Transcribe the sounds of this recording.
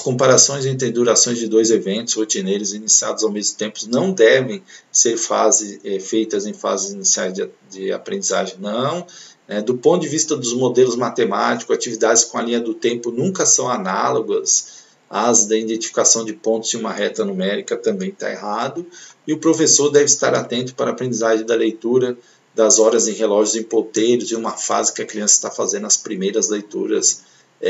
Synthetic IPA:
ɐskõmpaɾasõj̃zẽnt̪ɾɪ̃d̪uɾasõj̃zd͡ʒɪd̪ojzevẽnt̪ʊshot͡ʃinejɾʊzinisia̰d̪ʊzawmezmʊt̪ẽmpʊ̥nɐ̃w̃d̪ɛvẽj̃seɾfa̰zɪɛfejt̪ɐzẽj̃fa̰zɪzinisia̰jzd͡ʒd͡ʒɪa̰pɾẽnd͡ʒiza̰ʒẽj̃nɐ̃w̃nɛd̪ʊpõt̪ʊd͡ʒɪvist̪ɐd̪ʊzmod̪elʊzmat̪emat͡ʃikʊzat͡ʃivid̪ad͡ʒɪskõalĩɲɐd̪ʊt̪ẽmpʊnũŋkɐsɐ̃w̃analoɡɐs | ɐzd̪ɐid̪ẽnt͡ʃifi̥kasɐ̃w̃d͡ʒɪpõnt̪ʊ̥zɪ̃ũmɐɦɛt̪ɐnumɛɾikɐt̪ɐ̃mbẽj̃t̪a̰ḛɦad̪ʊ | ɪʊpɾofesoɾd̪ɛvɪst̪a̰ɾat̪ẽnt̪ʊ̥paɾɐaːpɾẽnd͡ʒizaʒẽj̃d̪ɐlejt̪uɾɐ | d̪ɐzɔɾɐzẽj̃ɦelɔʒʊzẽj̃pot̪ejɾʊzɪ̃ũmɐfa̰zɪkɪɐkɾiɐ̃sɐ̥st̪afazẽnd̪ʊɐspɾimejɾɐzlejt̪ṵɾɐ̰s

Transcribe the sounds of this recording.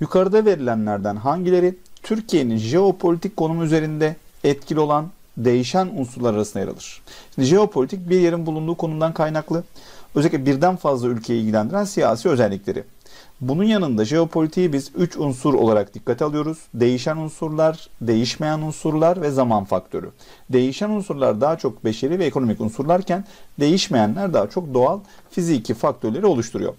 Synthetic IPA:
jukʰaɾɯd̪ave̞ɾilʲænlʲæɾd̪ænɦaɲɟilʲe̞ɾit̪ʰyɾcʰije̞ninʒe̞o̞pʰolʲit̪ʰickːo̞numuyze̞ɾind̪ɛː | t̪̚cʰilʲio̞lˠan | d̪e̞jiʃænunsuɾlˠaɾaɾasɯnd̪aja̰ɾa̰lˠɯɾ̥ʃi̥nd̪iʒe̞o̞pʰo̞lʲit̪ʰic̚biɾjeɾinbulˠund̪uːkʰo̞numd̪ankʰajnaklˠɯøzɛlʲicʲlʲɛbiɾd̪ænfazlˠaylʲcʰe̞jilʲɟilʲænd̪iɾænsijaːsiːøzɛlʲːiclʲe̞ɾʔɪ̰ | bununjanɯnd̪aʒe̞o̞pʰo̞lʲit̪ʰijibizyt͡ʃunsuɾo̞̰lˠaɾakd̪ikʰːat̪ʰialˠɯjo̞ɾuz̥d̪e̞jiʃænunsuɾlˠaɾd̪e̞jiʃme̞jænunsuɾlˠaɾvɛzamanfakt̪ʰø̞ɾy̰ | d̪e̞jiʃænunsuɾlˠa̰ɾd̪aɦat͡ʃʰo̞k̚be̞ʃeɾlʲivɛeko̞no̞micunsuɾlˠaɾcʰænd̪e̞jiʃme̞jænlʲæɾd̪aɦat͡ʃʰo̞k̚d̪o̞alˠ | fizicʰifak̚t̪ʰø̞ɾlʲe̞ɾio̞lˠuʃt̪ʰuɾṵjo̰

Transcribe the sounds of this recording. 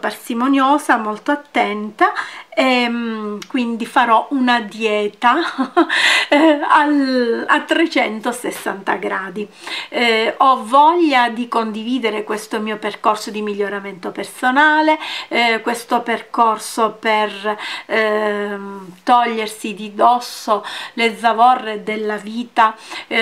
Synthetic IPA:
parsimonjoːsamolt̪oat̪ːɛnt̪aemkwind̪ifaɾɔʔunad̪jɛːt̪a | alat̪ːɾet͡ʃɛnt̪osesːant̪aɡɾaːd̪i | ɔvɔʎːad̪ikond̪iviːd̪eɾekwest̪omiːoperkorsod̪imiʎːoɾament̪opersonaːlekwest̪operkorsoper | t̪ɔʎːersid̪id̪ɔsːoled̪zavɔrːed̪elːaviːt̪a

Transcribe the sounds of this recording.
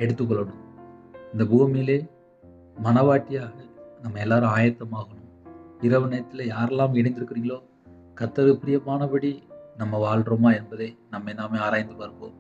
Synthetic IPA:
ɛɽɯt̪ːɯk̬ːɔɭːɐɳɯ̃mɪnd̪ɐbuːmileː | mɐnɐʋaːʈːɪjaːɣɐnɐmːɐɛlːaːɾɯ̃aːjɐt̪ːɐmaːɣɐɳʊ̃mɪɾɐʋɯnɐjɐt̪ːɪlɐjaːɾɛlːaːmɪɽɐɪnd̪ɪɾɯkːɪɾiːŋɡɐɭoː | kɐt̪ːɐðɯpɾɪjɐmaːnɐpɐɽinɐmːɐʋaːɭɖɾɐmaːɛnbɐðɐɪnɐmːɐɛlːaːmeːaːɾaːjɐnd̪ɯpɐɾɯkːo̰ːm

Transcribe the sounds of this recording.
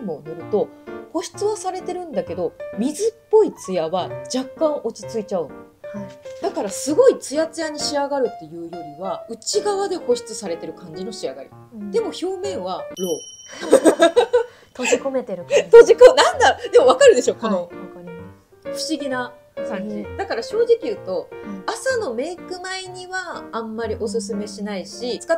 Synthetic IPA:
mo̞nɯɾɯ̟t̪o̞ho̞ɕi̥t͡sɨβasaɾe̞t̪e̞ɾɯ̟̃nd̪ake̞d̪o̞mʲizɨpːo̞it͡sɨjaβad͡ʑakːãɰ̃ʔo̞t͡ɕi̥t͡sɨit͡ɕaɯ̟̃n | ad̪̥akaɾasɨɡo̞it͡sɨjat͡sɨjaɲ̟iɕiaɡaɾɯ̟t̪ːe̞jɯ̟ːjo̞ɾʲiβaɯ̟t͡ɕiɡaβad̪e̞ho̞ɕi̥t͡sɨsaɾe̞t̪e̞ɾɯ̟kãɲ̟d͡ʑino̞ɕiaɡaɾʲḭ | d̪e̞mo̞ço̞ːmẽ̞ɰ̃βaɾo̞ː | t̪oikomet̪eɾɯt̪oʑikonãnd̪aod̪e̞moβakaɾɯ̟d̪e̞ɕoːko̞no̞akaɾʲi | ɸɯ̟ɕiɡʲina | kãɲd͡ʑid̪akaɾaɕo̞ːʑikʲijɯ̟ːt̪o̞asano̞me̞ːkɯ̟maiɲ̟iβãːmːaɾʲiʔo̞s̬ɨs̬ɨme̞ɕinaiɕit͡sɨ̥ka

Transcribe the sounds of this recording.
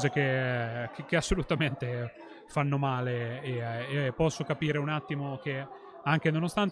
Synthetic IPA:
zek̟ekekeasːolut̪ament̪e | fanːomaːleː | pːɔsːokapiːɾeunat̪ːimok̟e | aŋk̟enonost̪an

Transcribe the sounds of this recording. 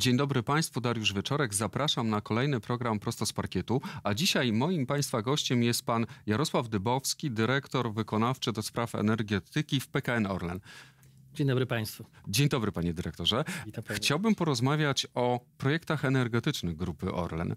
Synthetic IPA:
d͡ʑeɲd̪ɔbɾɘpaj̃st̪fud̪aɾjuʐvʲjɛt͡ʂɔɾɛɡzapɾaʂamnakɔlɛjnɘpɾɔɡɾampɾɔst̪ɔspaɾkʲɛt̪uad͡ʑiɕajmɔjimpaj̃st̪faɡɔɕt͡ɕɛmjɛst̪̚panjaɾɔswavd̪ɘbɔfskʲid̪ɘɾɛkt̪ɔɾvɘkɔnaft͡ʂɘd̪ɔspɾafɛ̰nɛɾɡʲɛt̪ɘkʲifpɛkaɛnɔɾlɛ̰n | d͡ʑeɲd̪ɔbɾɘpaj̃st̪fud͡ʑeɲd̪ɔbɾɘpaɲɛd̪ɘɾɛk̚t̪ɔʐɛxt͡ɕawbɘmpɔɾɔzmavʲjat͡ɕɔpɾɔjɛkt̪axɛnɛɾɡɛt̪ɘt͡ʂnɘɣɡɾupɘʔɔ̰ɾlɛ̰n

